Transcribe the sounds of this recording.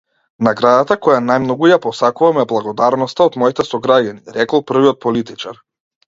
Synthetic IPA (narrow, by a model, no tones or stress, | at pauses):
naɡɾad̪at̪akɔjanajmnɔɡujapɔsakuvamɛblˠaɡɔd̪aɾnɔst̪aod̪mɔit̪ɛsɔɡɾaɟaniɾɛkɔlˠpr̩viɔt̪̚pɔlit̪it͡ʃaɾ